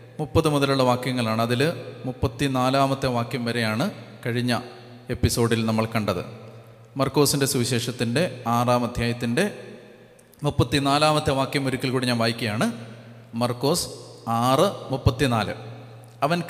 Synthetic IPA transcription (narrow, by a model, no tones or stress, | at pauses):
mupːɐðɨmuðɐluɭːɐʋaːkjɐŋːɐɭaːɳɨɐðilɨmupːɐt̪ːinaːlaːmɐt̪ːjɐʋaːkjɐmʋɐɾe̞jaːɳɨkɐɻiɲːɐ | e̞pːiso̞ːɽilnɐmːɐɭkɐɳɖɐðɨ̰ | mɐrkːo̞ːsinde̞suʋiɕe̞ːʂɐt̪ːinde̞aːraːmɐd̪ʱjaːjɐt̪ːinde̞ | mupːɐt̪ːinaːlaːmɐt̪ːjɐʋaːkjɐmːuɾikʲːilkuɽiɲːaːmʋaːjikʲːɐjaːɳɨ | mɐrkːo̞ːsɨ̥aːrɨmupːɐt̪ːinaːlɨ̰ | ɐʋɐn